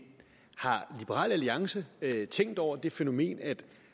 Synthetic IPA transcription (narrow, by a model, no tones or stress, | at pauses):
hɑ̈lib̥əʁɑ̰ːlæliɑ̈ŋsət͡sʰeŋ̰d̥ɒʊ̰ɐd̥e̝fe̝no̝me̝̰ːnæd̥